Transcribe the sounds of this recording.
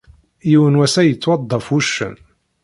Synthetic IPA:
jiwənwæsæjət͡sːwɑd̪ˤːɑfuʃːə̰n

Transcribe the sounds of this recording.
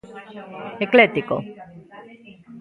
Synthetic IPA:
eklet̪iko̰

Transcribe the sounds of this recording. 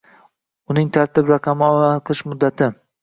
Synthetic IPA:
ʊnɪŋt̪ʰaɾt̪ɪbɾaqʰɑmɪɒaqʰlˠɪʃmʊd̪ːat̪ʰɪ

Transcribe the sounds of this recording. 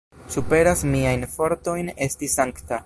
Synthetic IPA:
supe̞ɾasmiajnfo̞ɾto̞jne̞stisaŋkta

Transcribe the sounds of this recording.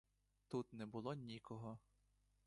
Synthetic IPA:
t̪ut̪nɛbʊlˠɔnʲikɔɦɔ

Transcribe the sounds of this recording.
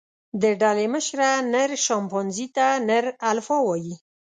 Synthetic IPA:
d̪əɖaleməʃɾanəɾʃɑmpɑnzit̪anəɾalfɑwɑji

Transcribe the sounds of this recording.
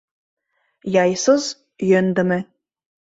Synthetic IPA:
jɑjsoz | jønd̪ɘ̆mɘ̆

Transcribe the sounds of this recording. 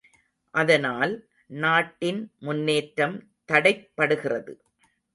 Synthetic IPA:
ʔɐðɐnaːl | naːʈːɪnmʊnːeːʈɾɐm | t̪ɐɽɐɪpːɐɽɯɣɪrɐðɯ̰

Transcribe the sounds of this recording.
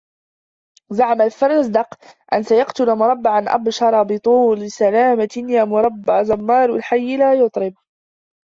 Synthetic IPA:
zaʕamalfɑɾˤɑzd̪ɑqʔansajɑqt̪ʊlamʊɾˤɑbːɪʕanʔa̰bʃɑɾˤɑbɨt̪ˤuːlɪsalaːmajaːmʊɾˤɑbːaʕzɑmːɑːɾˤwɪ̰lħajːɪlaːjʊt̪ˤɾɪb

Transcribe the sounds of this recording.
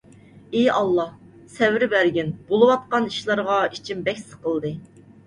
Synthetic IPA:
ejɑlˠːɑh | sɛvɾɪbæɾɡʲinb̥olˠɨwɑt̪̚qɑniʃlˠɑɾʁɑit͡ʃʰimbɛkʲsə̥qʰəlˠd̪ɨ

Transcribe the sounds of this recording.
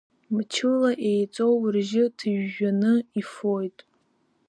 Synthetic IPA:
mt͡ʃʰɨlaʔe̞jt͡sʼo̞wrʒɪtʰɨʒːanɨifo̞jtʼ

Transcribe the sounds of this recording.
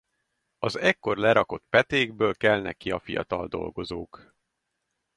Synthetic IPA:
ɒzɛkːo̞rlɛɾɒko̞t̪pɛt̪eːɡbøːlkɛlnɛ̰kiɒfijɒ̰t̪ɒld̪o̞̰lɡo̞zoːk

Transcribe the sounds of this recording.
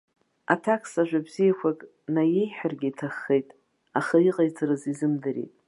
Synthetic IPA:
a̰tʰakʰsaʒᶣʷabzijakʷʰakʼ | naje̞jħᶣarɡʲiitʰaχːejtʼ | aχaiqʼajt͡sʼaɾɨzizɨmdɨɾḛjtʼ

